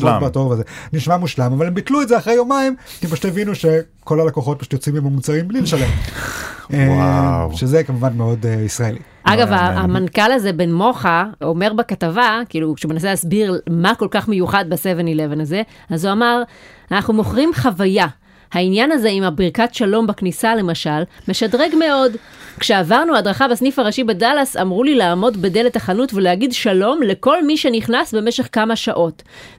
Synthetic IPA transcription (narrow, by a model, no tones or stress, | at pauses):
batovazeniʃmamuʃlamavalembit̪luetdzeaχʁejomaimkimpaʃut̪evinuʃe̞ | ko̞lhalekoχo̞t̪̚paʃu̥tjot͡simemamut͡saʁimblileʃalem | eʃezekamuvanmeo̞disʁaeli | ʔaɡavaamankalazebe̞nmo̞χao̞me̞ʁbekat̪avakiːlukʃeumenaselaːsbiʁmako̞lkaχme̞juχad̪̚besevenilevenaze̞ | azuamaʁ | anaχnumo̞χʁimχavaja | hainjanaze̞imabiʁkatʃalo̞mbaknisale̞maʃalme̞ʃadʁe̞ɡme̞o̞d | kʃe̞avaʁnuadʁaχabesnifaʁaʃibedalasamʁulilaːmo̞dbede̞letaχanutveleaɡidʃalo̞mle̞ko̞lmiʃe̞niχnasbe̞meʃe̞χkamaʃaʔo̞t